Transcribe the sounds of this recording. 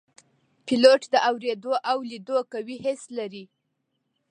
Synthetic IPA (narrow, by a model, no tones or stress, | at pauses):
pɪloʈd̪əʔawɾed̪oʔawlid̪okawihɪslaɾi